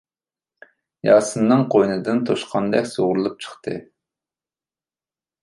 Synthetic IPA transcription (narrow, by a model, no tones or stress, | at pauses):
jɑːsɨnːɨŋqʰojnɨd̪ɨnt̪ʰoʃqʰɑnd̪ɛkʲsoʁʊɾlˠup̚t͡ʃʰə̥χt̪ʰɨ̰